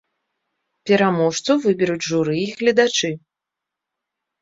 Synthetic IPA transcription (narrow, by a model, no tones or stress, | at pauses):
pʲɛɾamɔʂt̪suvɨbʲɛɾud͡zʲʐuɾɨːɣlʲɐd̪at͡ʂɨ